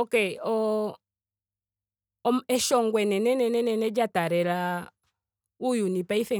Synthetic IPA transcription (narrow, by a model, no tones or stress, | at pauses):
ɔkɛɔ | mɛʃɔŋɡwɛnɛnɛnɛnɛnɛnɛd͡ʒataɾɛɾa | ujunipaifɛ